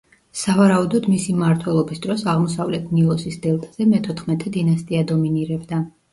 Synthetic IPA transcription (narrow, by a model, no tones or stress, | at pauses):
savaɾaud̪ɔd̪misimaɾt̪ʰwɛlˠɔbisd̪ɾɔsaʁmɔsavlɛt̪ʰniɔsisd̪ɛlˠt̪ʼz̥ɛmɛt̪ʰɔt̪ʰχmɛt̪ʼɛd̪inast̪ʼiad̪ɔminiɾɛbd̪a